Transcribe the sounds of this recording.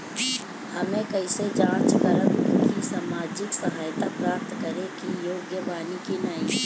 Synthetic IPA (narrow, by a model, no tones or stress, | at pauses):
hɐmẽkəɪsed͡ʒãːt͡ʃkɐləbkisaːmaːd͡ʒɪksəɦaːjt̪apɾaːp̚t̪kəɾekijoːɡjəʋaːnikinɐi